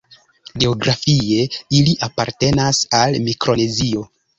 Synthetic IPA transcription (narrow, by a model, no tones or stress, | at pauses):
ɡe̞oɡɾʔafie̞iliʔapaɾte̞nasalmikɾo̞nezio̞